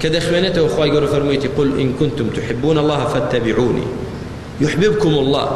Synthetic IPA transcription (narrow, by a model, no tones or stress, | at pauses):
kɪd̪aʔxwaːnat̪awʔɪxwaːjɡalːufɑɾˤmiːt̪iqʊlʔɪ̰nkʊnt̪ʊmt̪ʊħɪbːuːnɑlˤːɑːhfat̪ːabɪʕuːnḭ | jʊħbɪbkʊmɑlˤːɑ̰ː